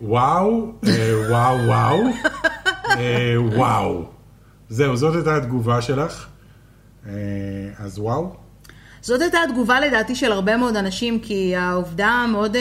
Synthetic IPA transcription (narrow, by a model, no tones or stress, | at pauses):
wawewawːaw | ewaw | ze̞uzot̪ajtat̪ɡuvaʃe̞laχ | eazwaw | zo̞tajtat̪ɡuvale̞daːt̪iʃe̞laʁbe̞meo̞danaʃimkiauvdameo̞d